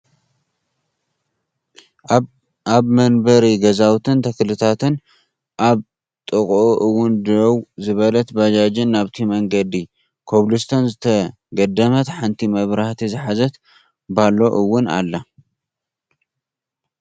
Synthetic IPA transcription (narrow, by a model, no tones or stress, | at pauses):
aβmɐnbɐɾiɡɐzawt̪ʰɨnt̪ʰɐklɨt̪ʰat̪ɨn | ʔaβ | t̪ʼɨkʼʔoʔɨwːʊnd̪owzɨβɐlɐt̪bad͡ʒad͡ʒɪnːaβt̪ʰimɐŋɡɐd̪i | kʰoβlɨst̪ʰɐnzɨt̪ʰɐ | ɡɐd̪ɐmɐt̪ħant̪ʰimɐβɾaht̪ʰizɨħazɐt̪ | balo̞ʔɨwːʊna̰lːɐ